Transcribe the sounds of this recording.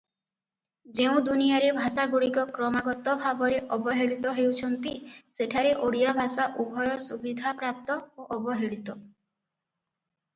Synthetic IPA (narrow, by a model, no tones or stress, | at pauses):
d͡ʒeũd̪unijaɾebʱasaɡuɽikɔkɾɔmaɡɔt̪ɔbʱabɔɾeʔɔbɔɦeɽit̪ɔɦewt͡ʃʰɔnt̪iseʈʰaɾeʔoɽijabʱasaʔubʱɔjɔsubid̪ʱapɾap̚t̪ɔoʔɔbɔɦeɽit̪ɔ